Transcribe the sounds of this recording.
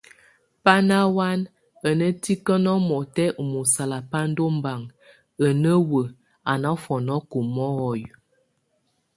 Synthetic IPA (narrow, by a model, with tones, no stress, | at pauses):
pa˦na˦wa˦n | ə˨nə˦ti˦kə˦nɔ˦mɔ˨tɛ˦ʔu˨mu˨sa˨la˨pa˦n˦do˦m˦ba˨ŋ | ə˨nə˦wə˨ | a˨na˦fɔ˨nɔ˦ku˨mɔ˦ɣɔ˨j